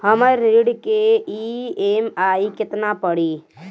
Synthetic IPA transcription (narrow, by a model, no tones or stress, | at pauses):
həməɾiɽkeiemaːikɪt̪napəɽi